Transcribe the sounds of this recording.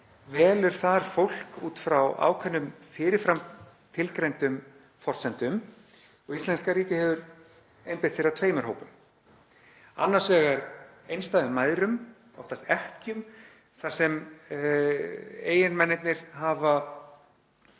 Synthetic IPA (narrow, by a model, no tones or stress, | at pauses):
vɛːlɛɾ̥θaɾ̥fowl̥kuːt̪fɾawa̰ːwkʰɛnːʏmfɪːɾɪɾ̥fɾam | t̪ʰɪlkɾejnt̪ʏm | fɔr̥sɛnt̪ʏm | ɔɣist̪ɛn̥skaɾiːcɪhɛvʏɾ | ejmpɪ̥t̪θfjɪɾat̪ʰveːjmɛɾ̥ɦo̰wpʏm | a̰nːaɾ̥svɛːɣaɾejnst̪aɪmaːjðɾʏm | ɔ̰ft̪ast̪ɛhcʏm | θar̥sɛm | eːjɪnmɛnːɪt̪nɪɾ̥ɦaːva